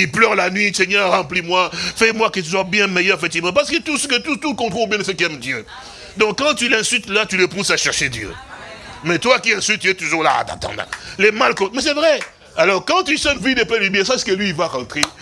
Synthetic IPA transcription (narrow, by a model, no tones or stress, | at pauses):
ilplœʁlanɥisɛɲɛʁɑ̃plimwafɛmwakət̪̬yswabjɛ̃mɛjœʁefɛk̚t̪ivmɑ̃p̬aʁsə̥kət̪usək̬ət̪ut̪ukɔ̃t̪χolobjɛ̃d̪əsəkiɛmd̪jø | d̪ɔ̃kːɑ̃t̪ylɛ̃sylt̪lat̪yləpusaʃɛʁʃed̪jø̰ | mɛt̪wakiɛ̃sylt̪̚t̪yɛt̪uʒuʁla̰a̰t̪ã̰t̪ɑ̰̃d̪ã̰lɛmalkɔ̃mɛs̬ɛvʁɛ | alɔʁkɑ̃t̪ysɛ̃nvid̪epɛlibjɛ̃sasə̥kəlɥiːvaʁɑ̃t̪χe